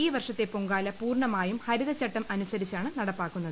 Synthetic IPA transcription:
iːʋɐrʂɐt̪ːe̞poŋɡaːlɐpuːrɳɐmaːjumhɐɾuðɐt͡ɕːɐʈːɐmʔɐnusɐɾit͡ɕːaːɳɨnɐɽɐpːaːkːunːɐðɨ

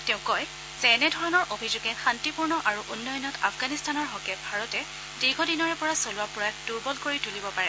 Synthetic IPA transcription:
tɛ̃ʊ̃kɔj | z̥ɛnɛdʱɔɹɔnɔɹʔobʱizuɡɛxantipuɹnɔʔaɹuʔunːɔjɔnɔta̰fɡanistanɔɹɦɔkɛbʱaɹɔtɛ | diɡʱɔdinɔɹɛpɔɹasolʊwapʊɹajd̥uɹbɔlkoɹitulibɔpaɹɛ

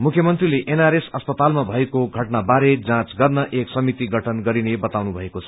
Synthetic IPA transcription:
mukʰjʌmʌnt̪rileʔenaɾesʌspʌt̪almabʱʌekoɡʱʌʈnabaɾed͡zãt͡sɡʌrnʌʔeksʌmit̪iɡʱʌʈʰʌnɡʌɾinebʌt̪awnubʱʌekot͡sʰʌ̥

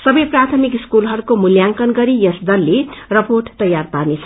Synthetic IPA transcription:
sʌbʌjprat̪ʰʌmikiskulɦʌɾukomuljaŋkʌnɡʌɾijʌsd̪ʌlːerʌporʈt̪ʌjarparnet͡sʰʌ

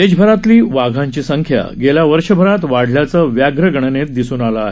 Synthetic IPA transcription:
ed͡ʑbʱəɾat̪liːʋaɡʱãɲt͡ɕiːsəŋkʰja̰ɡeljaʋəɾʂəbʱəɾat̪ʋaɽljat͡səːʋjaɡɾəɡəɳ̃ənet̪̚d̪isuːnalaaɦe

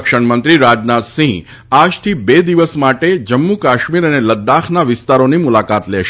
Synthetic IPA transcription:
kʃəɳmənt̪ɾiɾad͡ʒnat̪sĩŋ | ad͡ʒt̪ʰibed̪iʋəsmaʈed͡ʒəmːukaʃmiɾəneləd̪ːaxʰnaʋɪst̪aɾonimulakat̪lɛʃ

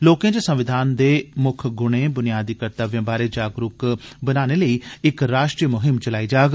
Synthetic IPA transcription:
loːkẽːd͡ʒəsə̃mʋɪd̪ʱaːnd̪eːmʊkʰɡʊɽ̃ẽːbʊnɪjaːd̪iːkəɾt̪aːʋjãːbaːɾeːd͡ʒaːɡɾʊkbənaːneːləiːɪkɾaːʃʈɾijəmʊɦɪmt͡ʃəlaːiːd͡ʒaːɡ

